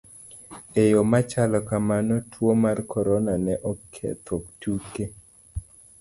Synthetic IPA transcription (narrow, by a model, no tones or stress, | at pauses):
ejomat͡ʃalɔkamanɔtʰwomarkʰɔɾɔnanɛʔɔkʰɛ̰t̪ʰoktuke